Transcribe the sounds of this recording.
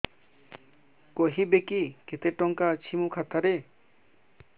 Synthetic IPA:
koɦibekiket̪eʈɔŋkat͡ʃʰimukʰat̪aɾe

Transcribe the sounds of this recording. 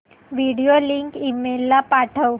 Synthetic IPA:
ʋiɽijoliŋkimelːapaʈʰəw

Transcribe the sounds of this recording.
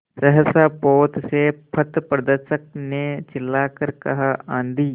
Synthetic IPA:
sɐɦəsaːpoːt̪sepʰɐt̪pɾɐd̪əɾsək̚net͡ʃɪlːaːkəɾkɐɦaãːnd̪iː

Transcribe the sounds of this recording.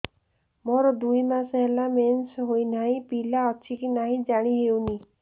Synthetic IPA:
mɔɾɔd̪ujmasɦelamensɦojnaɦĩpilaɔt͡ʃʰikinaɦĩd͡ʒaɽ̃iɦewni

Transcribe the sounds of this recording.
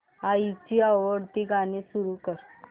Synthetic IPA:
ait͡ɕiːaʋəɽt̪iːɡanisuɾukəɾ

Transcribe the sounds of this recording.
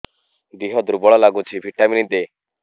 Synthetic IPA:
d̪iɦɔd̪ɾubɔɭɔlaɡut͡ʃʰibʱiʈaminid̪eː

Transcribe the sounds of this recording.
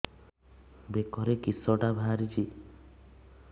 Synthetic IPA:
bekɔɾekisɔʈabʱaɾit͡ʃʰi

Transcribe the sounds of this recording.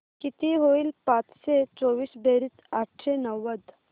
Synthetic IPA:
kit̪iɦoilpãt̪set͡ʃoːʋiːsbʱeːɾit̪aʈʰɾenəʋːəd̪

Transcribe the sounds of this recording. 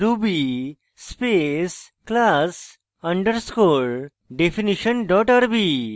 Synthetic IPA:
ɾubi | spesklas | ɐ̃ɳɖəɾskoɭ | ɖefʰiniʃənɖɔʈaɾbi

